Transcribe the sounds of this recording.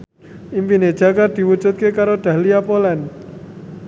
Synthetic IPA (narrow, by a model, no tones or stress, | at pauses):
ʔinfine̥ʒ̥akard̪̥i̤wud͡ʒ̥ṳt̪̚kekaɾoɖ̪̥a̤liapolan